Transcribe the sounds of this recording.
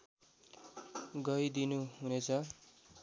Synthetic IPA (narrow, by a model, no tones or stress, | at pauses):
ɡʌjd̪inuɦunet͡sʰʌ